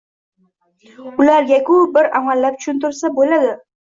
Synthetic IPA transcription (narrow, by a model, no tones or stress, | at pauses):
ʊlaɾjʲakʲʰʊbɪɾamalːap̚t̪ʰʊ̥ʃʊnt̪ʊɾsabolad̪ɪ